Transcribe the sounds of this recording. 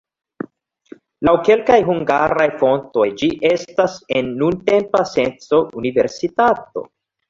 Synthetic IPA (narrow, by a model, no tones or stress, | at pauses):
lawke̞lkajɦuŋɡaɾajfo̞nto̞jd͡ʒiʔe̞stase̞nːunte̞mpase̞nt͡so̞ʔunive̞ɾsitato̞̰